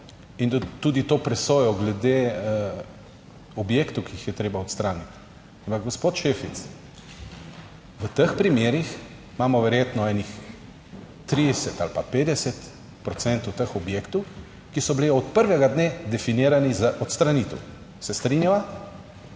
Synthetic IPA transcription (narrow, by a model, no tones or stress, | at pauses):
int̪ːuːd̪it̪oːpɾɛsoːjɔɡlɛd̪e | ɔbjekt̪ukiixjɛt̪ɾeːbaɔt̪st̪ɾaːnit̪ | ampakɡɔspoːt̪ʃeːfit̪s | ʋət̪əxpɾimjeːɾix | maːmɔʋɛɾjeːt̪nɔɛnix | t̪ɾid̪ɛsɛt̪a̰lpapeːd̪ɛsɛt̪ | pɾɔt̪sɛnt̪ut̪əxɔbjeːkt̪u | kisɔbliɔt̪pəɾʋɛɡad̪neːd̪ɛfiniːɾanizaʔɔt̪st̪ɾanit̪ɛw | sɛst̪ɾinjaʋa